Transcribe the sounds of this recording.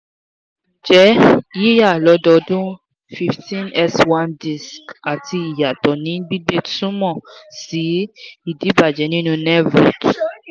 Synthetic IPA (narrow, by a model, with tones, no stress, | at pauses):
d͡ʒɛ˨˦ji˦ja˦˨lɔ˨˧˦dɔ˧˦dũ˦ | fi˧ftĩ˦nɛ˦swã˦˧ndi˨ska˨ti˧i˨ja˨tɔ˨nĩ˨˦bi˦ɡ͡be˦tsũ˦mɔ̃˦˨si˨˦i˦˨di˨˦ba˨d͡ʒɛ˨˦nĩ˦nũ˧nɛ˦vɾo̰˨t